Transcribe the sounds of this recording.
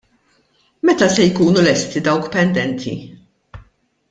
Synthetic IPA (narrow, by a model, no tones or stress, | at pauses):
mɛt̪ɐsɛjkuːnulɛst̪id̪ɐwkpɛnd̪ɛnt̪ʰḭ